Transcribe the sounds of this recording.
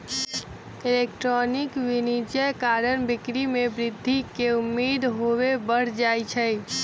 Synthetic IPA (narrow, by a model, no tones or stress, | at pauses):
elekʈɾɔnɪkʋinid͡ʒəjkaɾənbɪkɾimebɾɪd̪ʱːikeʊmːiːd̪ɦowebəɽ̤d͡ʒajt͡ʃʰəj